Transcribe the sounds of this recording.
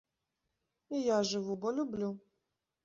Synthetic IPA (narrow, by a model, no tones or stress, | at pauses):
ijaʐɨvubɔlʲublʲu